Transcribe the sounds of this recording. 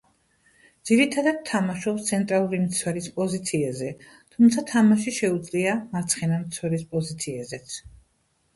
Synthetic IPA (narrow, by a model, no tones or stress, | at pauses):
d̪z̥iɾit̪ʰad̪ad̪̚t̪ʰːamaʃɔpst̪sʰɛnt̪ʼɾalˠuɾimt̪sʰwɛɾispʼɔzit̪sʰiɛzɛ | t̪ʰumt̪sʰat̪ʰamaʃiʃɛud̪zʼliamaɾt̪sʰχɛnamt̪sʰwɛɾispʼɔzit̪sʰiɛzɛt̪sʰ